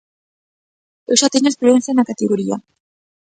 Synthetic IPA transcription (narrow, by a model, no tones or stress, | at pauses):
ewʃat̪eɲoespluen̟θjanakat̪eɣoɾia̰